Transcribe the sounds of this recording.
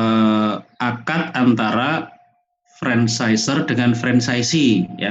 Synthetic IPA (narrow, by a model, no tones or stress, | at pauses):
əʔakat̪̚ant̪aɾa | fɾɛnsaisərdəŋanfɾɛnsaisija̰